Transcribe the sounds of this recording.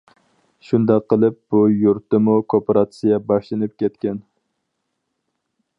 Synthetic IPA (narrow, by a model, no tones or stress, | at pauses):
ʃund̪ɑqːəlˠɨp̚b̥ujuɾt̪ːɨmukʰopʰɑɾɑt̪sɨjɑbɑʃlˠɨnɨp̚kʲɛt̪kʲɛn